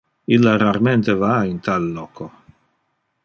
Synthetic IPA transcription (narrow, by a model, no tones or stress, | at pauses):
ilːaɾaɾment̪evaint̪alːɔːko